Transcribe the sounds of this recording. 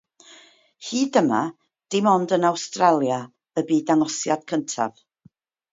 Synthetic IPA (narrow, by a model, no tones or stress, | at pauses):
hiːdəma | d̥ɪmɔndənawstralˠja | əbiːdaŋɔsjad̥kʰəntʰa̰v